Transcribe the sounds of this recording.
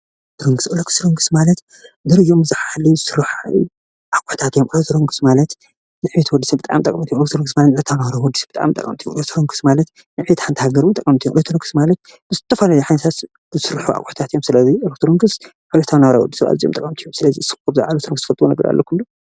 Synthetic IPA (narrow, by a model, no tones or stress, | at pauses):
t̪ʰɾoŋɡɨsɨlokʰɨ̥sɨɾoŋɡɨsmalɐt̪ | d̪ɨɾɨd͡ʒomzɨħalizɨsɨɾħṵ | ʔakʼʊħt̪ʰat̪jomʔɨlot̪ʰɨɾoŋɡɨsmalɐt̪ | nɨħbet̪wɔd̪ːisibɨt̪ʼaʔmt̪ʼɐkʼmt̪ijomɾokt̪ʰuɾoŋɡɨsmalɐt̪nɐt̪ʰawnawɾawɔd̪ːisi̥bɨt̪ʼa̰mt̪ʼɐ̰kʼɐmt̪ʰijomʔɾot̪ʰɨɾoŋɡɨsmalɐt̪ | nɨʕbet̪ħant̪ɨhaɡɐɾut̪ʼɐkʼɐmt̪ʰijmʔɾot̪ɨɾoŋɡɨsmalɐt̪̚ | bɨzɨt̪ʰːɐfɐlalijħanɐt̪ʰat̪ | zɨsɨɾħuʔa̰kʼːʊħt̪ʰat̪jomsɨlɐziɾokt̪ʰɾoŋɡɨs | ʕulɐt̪ʰawnawɾawɔ̰d̪ːisɨa̰lzʼjo̰mt̪ʼɐkʼɐmt̪ʰijomsɨlɐzisɨ̥lkubzɨa̰ɾot̪ʰɾoŋɡɨst̪ɨ̥fɐlt̪ʼwunɐɡɐɾa̰lːokʰulːu